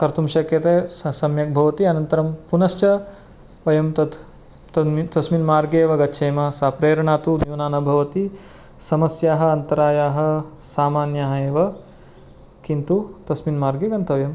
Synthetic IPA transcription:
kɐɾt̪umʃɐkjɐt̪eːsɐmjɐk̚bʱɐʋɐt̪iɐnɐnt̪ɐɾɐmpunɐʃt͡ʃɐ | ʋɐjɐmt̪ɐd̪ | t̪ɐit̪ɐsminmaːɾɡeːʋɐɡɐtːʃʰeːmɐsaːpɾeːɾɐɳaːt̪ud̪juːnaːnɐbʱɐʋɐt̪i | sɐmɐsjaːɦɐ̆ɐnt̪ɐɾaːjaːɦɐ̆ | saːmaːnjaɦɐeːʋɐ | kint̪ut̪ɐsminmaːɾɡeɡɐnt̪ɐʋjɐm

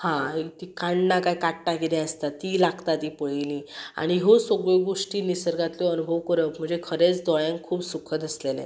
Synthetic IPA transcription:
hãɦet̪ikaɳnakaikaʈːakid̪ɛ̃əst̪at̪ːilaɡt̪at̪iːpəɭilia̰ɽ̃iɦosəɡɭeɡoʂʈiːnisəɾɡat̪ljɔənubʱəʋkəɾəpm̤əɳd͡zekʰəɾet͡sd̪ɔɭjãŋkkʰuːpsukʰəd̪əslelḛ̃

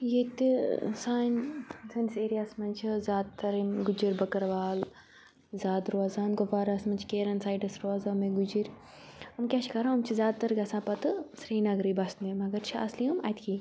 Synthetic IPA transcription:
jet̪isaːnsɐniseːɾijaːsmɐnʲt͡ʃʰizʲaːd̪̚t̪ɐɾiɡud͡ʒiɾʲbɐkɐɾʋaːl | zʲaːd̪ɾoazaːnɡopaːɾasmɐnt͡ʃʰkeːɾɐnsaːjʈɐsɾoaːzameɡud͡ʒiɾ | ɐmkʲaːt͡ʃʰi̥kaɾãɐmt͡ʃʰizʲaːd̪̚t̪ɐɾɡɐsãːpɐt̪ɨsɾiːnɐɡɾibɐsnimɐɡɐɾt͡ʃʰiɐ̰sliɐmɐ̰t̪ʰʲki

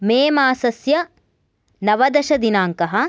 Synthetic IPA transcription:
meːmaːsɐsjɐ | nɐʋɐd̪ɐʃɐd̪inaːŋkɐɦɐ̆

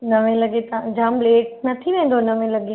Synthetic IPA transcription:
nɐʋẽlɐɡet̪ɐ̃d͡ʑaːmbleːʈ̚nɐt̪ʰiʋẽːn̆d̪onɐʋẽlɐɡe

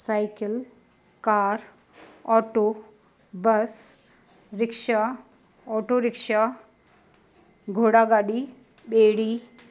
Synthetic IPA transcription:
sajkəl | kaːɾ | ɔʈo | bəs | ɾɪkʃa | ɔʈoɾɪkʂa | ɡʱoɽaɡaːɽi | ɓeːɽi

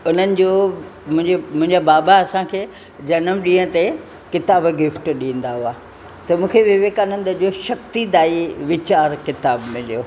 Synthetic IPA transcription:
ʊn̤ənɪ̆d͡ʑoːmʊ̃ɦɪ̃ɲd͡ʑemʊ̃ɦɪ̃ɲd͡ʑabaːbaɐsãkʰeː | d͡ʑɐnəmɗĩːə̃t̪e | kɪt̪aːbɡɪfʈɗĩːə̃n̆d̪aɦuaː | t̪ɐmũːkʰeʋɪʋeːkanə̃nd̪əd͡ʑoːʃɐkt̪id̪aːiʋɪt͡ɕaːɾkɪt̪aːbmẽd͡ʒijoː

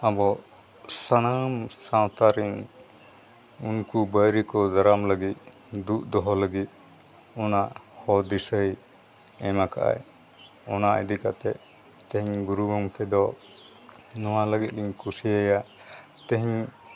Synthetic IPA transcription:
abɔ | sanamsawt̪aɾiŋ | unkubəjɾikɔd̪aɾamləɡit̪̚ | d̪uʔ̪̚d̪ɔɦɔləɡit̪̚ | ɔnaʔhɔd̪isəj | ɛmaka̰ʔa̰j | ɔnaʔə̰d̪ikat̪ɛʔ̚ | t̪ɛ̃ɦiɲɡuɾuɡɔŋkʰɛd̪ɔ | nɔwaləɡit̪̚liɲkusiaja | t̪əɦiɲ

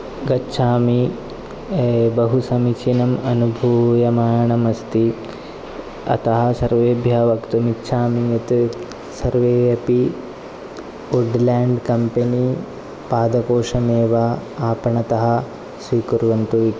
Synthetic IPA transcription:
ɡɐtːʃʰaːmi | bɐɦusɐmit͡ʃʰinɐmɐnubʱujɐmaːɳɐmɐst̪i | ɐ̰t̪ɐɦɐ̆sɐɾʋeːbʱjɐʋɐkt̪umitːʃʰaːmijɐt̪ | sɐɾʋeːɐpi | uɖlaːɳɖkɐmpeni | paːd̪ɐkoːʂɐmeːʋaaːpɐɳɐt̪ɐɦɐ̆ | sʋiːkuɾʋɐnt̪uʋi

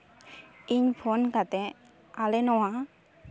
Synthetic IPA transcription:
iɲpʰonkat̪ɛ | alɛnɔwa

